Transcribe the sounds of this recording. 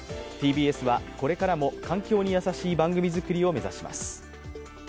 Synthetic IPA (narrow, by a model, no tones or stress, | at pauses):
t̪iːbiːe̞sɨβako̞ɾe̞kaɾamo̞kãŋkʲo̞ːɲ̟ijasaɕiːbãŋɡɯ̟mʲizɨkɯ̟ɾʲio̞me̞zaɕima̰sɨ̥